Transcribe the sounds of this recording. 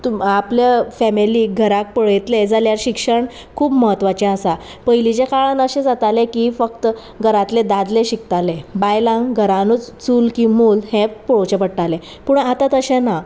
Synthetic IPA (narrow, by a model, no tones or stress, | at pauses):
t̪uapljafɛmiliɡʱəɾak̚pəɭjt̪led͡zaljaɾɕikʂəɳ | kʰuːbməɦət̪ʋat͡ɕẽəsa | pəjlit͡ɕekaɭanəɕed͡zat̪alekifək̚t̪ə | ɡʱəɾat̪led̪ad̪leɕik̚t̪alebajlãŋɡʱəɾanuːt͡st͡suːlkĩmuːlhẽpɔɭot͡ɕepəɽʈalẽ | puːɳat̪at̪əɕẽna